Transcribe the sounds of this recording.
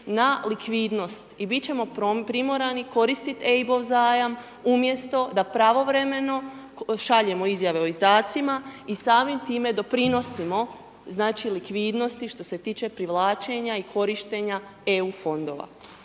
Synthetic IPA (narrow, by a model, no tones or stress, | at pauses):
nalikʋiːd̪no̞st̪ibit̪t͡ɕe̞mo̞pɾopɾimo̞ɾaniko̞ɾist̪it̪ebo̞ʋzaːjam | umje̞st̪o̞d̪apɾaʋo̞ʋɾe̞me̞no̞ | ʃaʎe̞mo̞izjaʋe̞oizd̪aːt̪simaisaːmimt̪iːme̞d̪o̞pɾino̞simo̞ | znaːt͡ʃilikʋiːd̪no̞st̪iʃt̪o̞se̞t̪iːt͡ʃe̞pɾiʋlˠaːt͡ʃe̞ɲaikʰo̞ɾiʃt̪e̞ɲaeuːfo̞nd̪o̞ːʋa̰